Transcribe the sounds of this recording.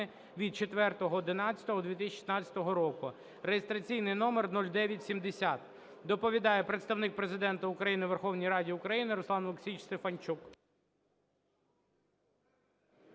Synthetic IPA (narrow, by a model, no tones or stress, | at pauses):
ɪ | ʋʲid̪̚t͡ʃet̪ʋɛrt̪ɔɦɔd̪ɪnɑt͡sʲːɐt̪ɔɦɔd̪ʋʲit̪ɪsʃi̥snɑt͡sʲːɐ̥t̪ɔɦɔɾɔkʊ | rejest̪ɾɐt͡sʲijnɪjnɔmernɔlʲd̪ɛʋʲjɐtʲsʲimd̪esʲat̪ | d̪ɔpɔʋʲid̪ɑjɛpɾet̪st̪ɐwnɪk̚pɾezɪd̪ɛnt̪ɐʊkɾɐjinɪʋerxɔwnʲijɾɑdʲiʊkɾɐjinɪɾɔslˠɑnlˠʊksʲit͡ʃst̪efɐnʲt͡ʃuk